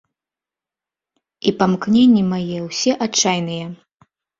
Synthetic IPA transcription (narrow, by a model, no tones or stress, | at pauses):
ipamknʲenʲːimajɛwsʲɛʔat͡ʂːajnɨjɛ